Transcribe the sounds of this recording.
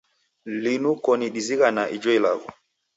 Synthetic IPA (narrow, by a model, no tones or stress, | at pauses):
linukɔniɗiziɣanaʔid͡ʒɔila̰ɣɔ